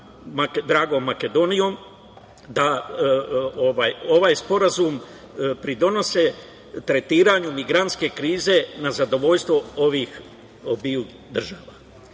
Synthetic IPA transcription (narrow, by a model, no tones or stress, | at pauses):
makd̪ɾaːɡo̞mːake̞d̪o̞nijo̞ːm | d̪a | oʋaːjo̞ʋaːjspo̞ɾazum | pɾid̪o̞no̞se | t̪ɾe̞t̪iːɾaɲumiɡɾant̪ske̞kɾiːze̞nazad̪o̞ʋo̞ʎst̪ʋo̞oʋiːx | obiu | d̪r̩ʒaːʋa